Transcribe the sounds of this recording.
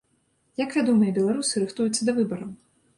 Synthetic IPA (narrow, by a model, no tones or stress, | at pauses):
jakvʲad̪ɔmɐjɐbʲɛlˠaɾusɨɾɨxt̪ujut̪sːɐd̪ɐvɨbɐɾɐw